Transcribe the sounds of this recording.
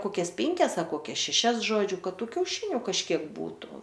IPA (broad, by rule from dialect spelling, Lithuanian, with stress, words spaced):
ˈkoːkʲɛs ˈpʲɪŋʲkʲɛs ɐr koːˈkʲɛs ʃʲɛˈʃʲɛs ˈʒoːd͡ʒʲʊ ˈkɐt ˈtuː kʲɛʊˈʃʲɪnʲʊ kɐʃʲˈkʲiɛk ˈbuːtʊ